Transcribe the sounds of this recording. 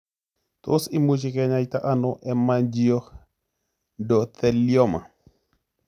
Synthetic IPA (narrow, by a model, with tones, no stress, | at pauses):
t̪o̰˦si˦mu˦t͡ʃikɛɲait̪a˦ʔa˦nɔʔɛ˦mand͡ʒio˦ | dɔ˨t̪ɛ˨ljɔ˦ma̰˨